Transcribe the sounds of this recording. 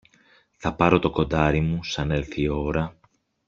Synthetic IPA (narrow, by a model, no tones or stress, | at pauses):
θɐpɐɾo̞t̪o̞ko̞nd̪ɐɾimusɐne̞lθio̞ɾɐ